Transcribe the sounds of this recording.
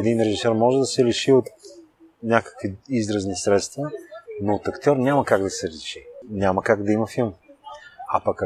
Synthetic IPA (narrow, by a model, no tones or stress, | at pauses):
ɛd̪inɾɛʒisɛɾmɔʒɛd̪ɐsɛliʃiot̪ | nʲakə̥kviizɾɐznisɾɛt̪st̪vənot̪ɐkt̪ʲɔɾnʲamɐkaɡd̪ɐsɛliʃi̥nʲaməkaɡd̪ɐimɐfilˠm | ɐpɐk